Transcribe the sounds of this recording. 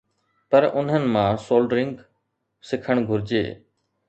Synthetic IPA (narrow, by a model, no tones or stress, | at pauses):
pəɾʊn̤ɦənɪ̆mãːsoːlɖɾɪ̃ŋɡ | sɪkʰəɳ̃ɡʱʊɾd͡ʒḛː